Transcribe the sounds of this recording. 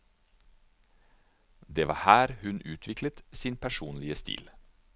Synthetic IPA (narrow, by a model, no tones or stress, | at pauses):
d̪eːʋɑ̰ːhæːɾhʉnʔʉːt̪ʰʋɪkʰlət̪siːnpʰæʃuːnlɪəst̪ḭːl